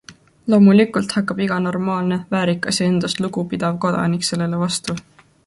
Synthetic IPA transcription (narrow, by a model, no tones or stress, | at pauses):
lo̞ːmulikːˑult̪hɑkːˑɑb̥iɡ̥ɑno̞rmɑːlne̞væːɾikːˑɑsjɑe̞nd̪̥ɑst̪luɡ̥upid̪̥ɑvko̞d̪̥ɑ̰nikse̞lːelevɑst̪u